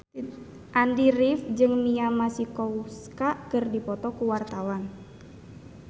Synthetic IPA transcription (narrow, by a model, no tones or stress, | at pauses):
ʔandiɾifd͡ʒɨŋmiamasikɔuskakɨrdipɔt̪ɔkuwart̪awan